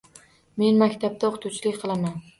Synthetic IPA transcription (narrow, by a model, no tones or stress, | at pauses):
me̞nmakʲt̪ʰap̚t̪ʰaoqʰt̪ʰuwt͡ʃʰɪlɪkʲqʰɨlˠaman